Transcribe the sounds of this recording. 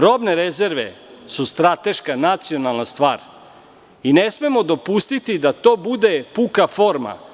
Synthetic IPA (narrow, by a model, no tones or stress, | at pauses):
ɾo̞bne̞ɾezeɾʋḛsust̪ɾat̪e̞ʃkanat̪sionalˠnast̪ʋa̰ːɾ | inesme̞mo̞d̪o̞pust̪it̪id̪at̪o̞ːbud̪e̞pukafo̞ːɾma̰